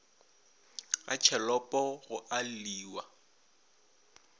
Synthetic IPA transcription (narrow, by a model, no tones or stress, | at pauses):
a̰t͡ʃʰɛlɔpʼɔɣʊʔalliːwa